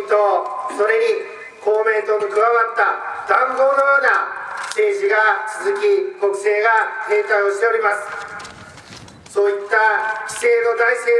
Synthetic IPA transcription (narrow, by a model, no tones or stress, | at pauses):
t̪oso̞ɾe̞ɲ̟i | ko̞ːme̞ːt̪o̞mikɯɡaβat̪ːad̪̥ãŋɡo̞ːno̞jo̞ːnase̞ːʑiɡat͡sɨzɨkʲiko̞kɯ̟̥se̞ːɡak̪ẽ̞ːt̪aioɕi̥t̪e̞o̞ɾʲimasɨ̥ | so̞ːit̪ːakʲi̥se̞ːno̞d̪aise̞ː